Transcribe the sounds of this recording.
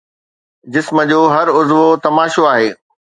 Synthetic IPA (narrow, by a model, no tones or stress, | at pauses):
d͡ʑɪsmə̆d͡ʑoːɦɐɾʊzʋot̪ɐmaːʃoaːɦeː